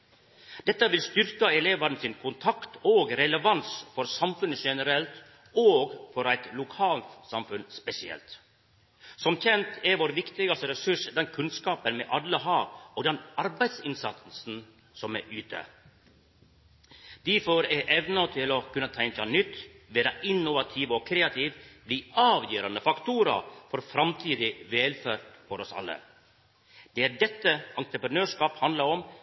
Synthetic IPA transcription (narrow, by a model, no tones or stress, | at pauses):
d̪̥ɛt̪ːəʋɪlst̪ʏɾkɑɛleːʋɑnsɪnkʰʊnt̪ʰɑkt̪oːɡɾɛləʋɑnsfɔɾsɑmfʉnəʂɛnəɾɛlt̪ | oːɡfɔɾæɪt̪lʊkʰɑːlt̪sɑmfʉnspɛsɪɛ̰lt̪ | sɔmçɛnt̪ʰɛɾʋoːɾʋɪkt̪ɪɡɑst̪əɾɛsʉʂd̪ɛnkʰʉnskɑːpənmɛ̰ːʔɑd̪ləɦɑːɔɡd̪ɛnɑɾbæɪd̪sɪnsɑt̪ːl̩sn̩ | sɔmæ̰yːt̪ʰə̰ | d̪æfɔɾɛʔɛʋnət̪ʰɪlɔkʰʉnət̪ʰɛŋkɑnʏt̪ːʋeːɾɑʔɪnːʊʋɑt̪ʰiːʋɔkʰɾeːɑt̪ʰiːʋbliːɑːʋjiːɾɑnəfɑkt̪ʰuːɾɑ̰fɔɾfɾɑmt̪ʰiːd̪ɪʋeːlføːɾʈfɔɾɔsɑ̰lːə̰ | d̪̥ɛæɖɛt̪ːəɑnt̪ɾəpɾənøːʂkɑːphɑnd̪lɑɾɔm